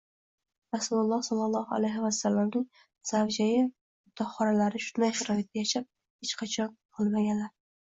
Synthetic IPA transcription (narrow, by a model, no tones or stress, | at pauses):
ɾasulʊlˠːɒsɒlˠːɑlˠːɒha̰lajɦɪvasːalːamnɪŋ | z̥avd͡ʒajɪ | t̪ʰɒχɒɾalaɾɪʃʊt̪d̪ajʃaɾɒɪt̪̚d̪ʲajaʃap̚ | het͡ʃqʰɑt͡ʃʰɒnqʰɨlˠmaɡʲanlaɾ